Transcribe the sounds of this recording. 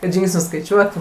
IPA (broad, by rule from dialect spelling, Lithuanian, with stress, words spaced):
kɐt ˈʒʲɪŋksʲnʲʊs skɐɪˈt͡ʃʲuɔtuː